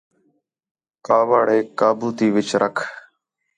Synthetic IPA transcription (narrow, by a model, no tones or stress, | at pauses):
kaːʋaːɽeːkaːbuːt̪iːʋɪt͡ʃɾʔəkʰ